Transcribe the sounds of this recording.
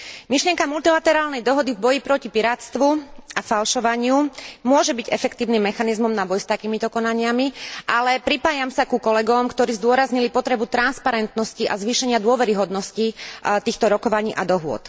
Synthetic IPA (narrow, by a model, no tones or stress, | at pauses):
miʃlɪɛŋkamult̪ilat̪ɛɾaːlnɛjd̪ɔɦɔd̪ivbɔjipɾɔcipiɾaːt̪st̪ʋuafalʃɔʋaɲɪumʊɔʒɛbiɟɛfɛkt̪iːʊnimːɛxanizmɔmnabɔjst̪akiːmit̪ɔkɔnaɲɪamiʔalɛpɾipaːjamsakukɔlɛɡɔmkt̪ɔɾiːzd̪ʊɔɾazɲilipɔt̪ɾɛbut̪ɾanspaɾɛnt̪nɔsciʔazʋiːʃɛɲɪad̪ʊɔʋɛɾiɦɔd̪nɔscit̪iːxt̪ɔɾɔkɔʋaɲiːʔad̪ɔɦʊɔ̰t̪